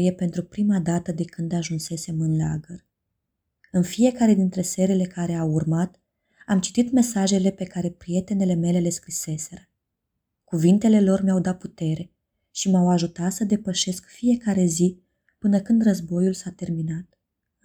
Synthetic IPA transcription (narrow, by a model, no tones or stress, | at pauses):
jepe̞nt̪ɾupɾimad̪at̪əd̪e̞kɨnd̪aʒunse̞se̞mɨnla̰ɡər | ɨnfije̞kaɾe̞d̪int̪ɾe̞se̞ɾele̞kaɾe̞aurmat̪ | amt͡ʃi̥t̪it̪me̞saʒe̞le̞pe̞kaɾe̞pɾie̞t̪e̞ne̞le̞me̞le̞le̞skɾise̞se̞ɾə | kuvint̪e̞le̞lo̞rmjawd̪at̪̚put̪e̞ɾe̞ | ʃimawaʒut̪at̪səd̪e̞pəʃe̞skfije̞kaɾe̞zi | pɨnəkɨnd̪rəzbo̞julsat̪e̞rminat̪̚